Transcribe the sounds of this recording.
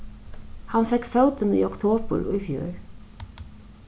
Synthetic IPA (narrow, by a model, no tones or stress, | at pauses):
hɑnfɛkfœʊt̪ənḭːɔkt̪ʰoːbə̰ɹṵfjø̰ɹ